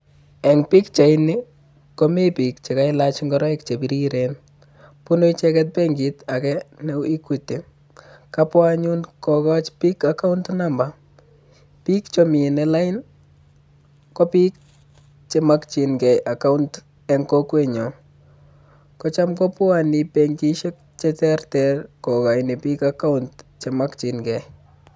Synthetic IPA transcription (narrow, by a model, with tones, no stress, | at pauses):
ɛ˨ŋpi˦kt͡ʃa˨ɪnɪ | kɔme˦pi˨kt͡ʃe˨ka˦ɪlat͡ʃŋɡɔɾɔ˦ɪkt͡ʃe˨bi˦ɾiɾen | pʊ˦no˦it͡ʃɛkɛt̚pɛŋɡita˨kɛnɛi˦kute˨ | kapwaɲu˦nkɔkɔ˦t͡ʃpi˦kaka˦ʊntnamba | pi˦kt͡ʃɔmi˨nela˦ɪn | kɔ˦pi˦k | t͡ʃema˦kt͡ʃi˨nɡɛ˨ja˨ka˦ʊnt | ɛ˨ŋkɔkwe˦˨ɲɔ˨ | kɔ˦t͡ʃa˦mkɔ˦pwa˦ni˨pɛŋɡi˦ʃe˦k̚ | t͡ʃɛtɛ˦rtɛrkɔ˨ka˨ɪne˨pi˦kaka˦ʊntt͡ʃe˨ma˦kt͡ʃi˨nɡɛ˨